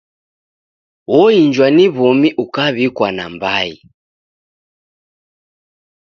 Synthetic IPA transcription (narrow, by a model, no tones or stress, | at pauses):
wɔiɲd͡ʒwaniβɔmiʔukaβikwana̰mbaḭ